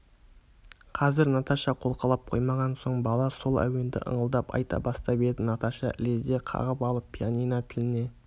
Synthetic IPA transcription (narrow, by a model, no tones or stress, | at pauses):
qʰɑzɪɾnɑt̪ɑʃɑqʰo̞lˠqɑlˠɑp̚qʰo̞̰jmɑʁɑnso̞ɴbɑlˠɑso̞lˠæ̰we̞nd̪ɪ̰ʔə̰ɴəlˠd̪ɑpɑ̰jt̪ɑ̰bɑst̪ɑbe̞d̪ɪnɑt̪ɑʃɑ̰ʔlezd̪eqʰɑ̰ʁəpɑlˠəpːʰʲianijnɑt̪ʰɪlɪne̞